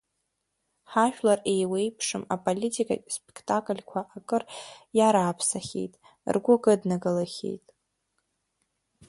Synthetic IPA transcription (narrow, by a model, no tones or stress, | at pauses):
ħaʃᶣlarejwejpʰʂɨmapʼolʲitʰʼikʼa̰kʼspʼekʰtʼakʼɨlʲkʷʰaʔakʼɨrjaɾaːpʰsaχʲḛjtʼ | rɡʷʊkʼɨdnaɡalaχʲḛjtʼ